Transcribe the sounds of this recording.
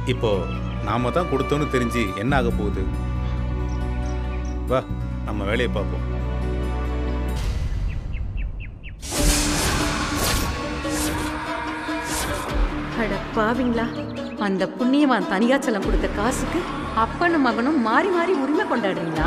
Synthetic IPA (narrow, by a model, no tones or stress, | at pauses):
ɪpːoː | naːmɐt̪ãːkɔɽɯt̪ːoːnɯt̪ɛɾɪɲd͡ʒiɛnːɐaːɣɐpːoːðɯ̰ | ʋaːnɐmːɐʋeːɭɐjɐpaːɾkõ̰ː | kɐɽɐpːaːʋiːŋɡɐɭaː | ɐnd̪ɐpʊɳːɪjɐʋãːnt̪ɐnɪɣaːt͡ʃːɐlɐmkɔɽɯt̪ːɐkaːsɯkːɯ | ɐpːɐnɯmɐɣɐnɯ̃mːaːɾimaːɾiʊɾɪmekɔɳɖaːɽɯɾiːŋɡɐɭaː